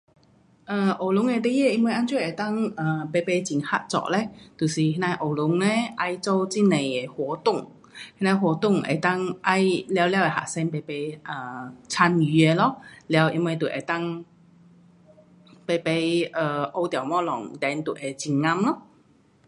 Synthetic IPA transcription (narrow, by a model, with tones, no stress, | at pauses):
ʔə˨˧ʔo˨˩lʊ˨˦˥ŋɛ˧t̪e˥jɛ˥˧ʔi˧nwe˧jʔa˧˥nt͡swe˥˩˨ʔe˨˩t̪a˥˨ŋʔə˨˩pe˧pe˧t͡ɕi˧˩ŋha̰˧˥t̚t͡sɔ̰˧˨ʔlɛ˧˦t̪u˨˩si˨˩hi˧˥na˧jʔo˨˩lʊ˨˦ŋɛ˧ʔa˧˥jt͡so˧˦wt͡si˥nẽ˨˩je˨˩hwɔ˨˧˦t̪ʊ˥˩˨ŋ | hi˦˥na˧˩ɦwɔ˧˦t̪ʊ˥˩ŋʔḛ˨˩t̪a˥˨ŋʔa˧jlja˧wlja˧˦we˨ɦa̰˨˩sɛ˧npe˧pe˧˦ʔə˧˩t͡sʰa˧ny˧e˧˩lɔ˦lja˧wʔi˧nwe˧jt̪u˨˩ʔḛ˨˩t̪a˥˨ŋ | pe˧˩pe˧jʔə˨˩ʔo˧wt̪ja˨˩wmɔ̃˧˩lɔ̰˨˩ŋt̪ɛ˨˧˦nt̪u˨˩ʔe˨˩t͡ɕi˧ŋŋa˧mlɔ˦˥